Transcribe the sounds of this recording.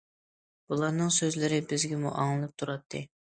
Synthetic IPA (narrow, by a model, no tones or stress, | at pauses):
b̥ulˠɑɾnɨŋsøzlɪɾɪbɪzɡʲɪmṵʔɑŋlˠɨlˠɨp̚t̪ʰuɾɑt̪ʰːɨ